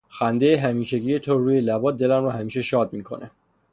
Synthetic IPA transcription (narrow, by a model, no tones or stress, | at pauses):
xænd̪e̞jeɦæmiːʃe̞ɟiːje̞t̪ʰoɾuːje̞læbɒːt̪̚d̪e̞læmɾɒːhæmiːʃe̞ʃɒːd̪̚miːkʰo̞̰nʔe